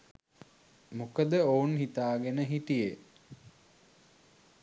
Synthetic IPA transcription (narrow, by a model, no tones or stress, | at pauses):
mukəd̪əounɦit̪aːɡenəɦiʈije